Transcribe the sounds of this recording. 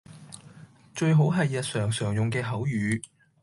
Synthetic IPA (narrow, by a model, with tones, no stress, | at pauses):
t͡ʃɵ˧ɥɦo˨˥wɦɐ˨jːɐ˨t̚sœː˨˩ŋsœː˨˩ŋjʊ˨ŋkɛː˧ɦɐ˨˥wjyː˨˧